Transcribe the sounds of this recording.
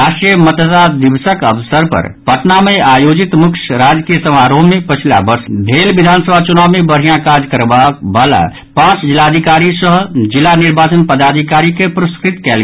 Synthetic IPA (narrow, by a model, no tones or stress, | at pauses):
ɾaːʃʈɾijəmət̪t̪ad̪ɪbsəkəʋsəɾpə̰ɾpəʈnamẽaːjoːd͡ʒɪt̪mʊkʃɾaːd͡ʒkijəsəmaːɾõmẽpət͡ʃʰla̰bəɾsd̪ʱeːlbɪd̪ʱaːnsəbʱat͡ʃʊnaːʋmẽbəɾɦijãkaːd͡ʒkəɾbabaːla̰ | pãːt͡ʃd͡ʒɪlaːd̪ʱikaːɾisəɦd͡ʒɪlanɪɾbaːt͡ʃənpəd̪aːd̪ʱikaːɾikepɾʊskɾɪt̪kɛːl